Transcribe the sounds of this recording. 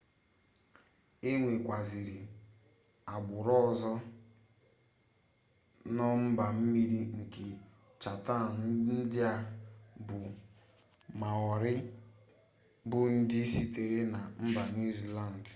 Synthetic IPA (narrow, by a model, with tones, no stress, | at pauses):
e˦ŋʷe˨kʷa˨zi˨ɾɪ˨ | a˨ɡ͡bʊ˨ɾɔ˦˨zɔ˦ | nɔ˦m̩˦ba˨m̩˦mi˦ɾi˦ŋ̩˨ke˨ | t͡ʃa˨ta˦˨n̩˦n̩˦dɪ˦a˦bʊ˨ | ma˨ɔ˨ɾɪ˦ | bʊ˦n̩˦dɪ˦si˦te˨ɾe˦na˨m̩˦ba˨nu˦zi˦la˦˨n˨d